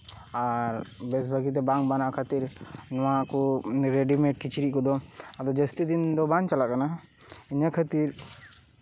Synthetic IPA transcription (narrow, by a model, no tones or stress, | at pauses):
aɾbɛsbʱəɡit̪̬ɛbaŋbanaʔkʰat̪iɾnɔwakɔɾɛɖimɛ̃ʈ̚kit͡ʃɾiʔkɔd̪ɔad̪ɔd͡ʒəst̪id̪ind̪ɔbant͡ʃalaʔkanaiɲakʰat̪iɾ